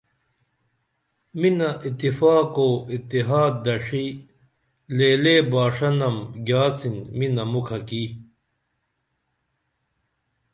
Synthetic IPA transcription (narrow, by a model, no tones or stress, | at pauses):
minɐʔit̪ːifaːkoːit̪ːiɦaːd̪ːɐʂi | leːleːbaːʂɐnɐmɡaːt͡sinminɐmukʰɐki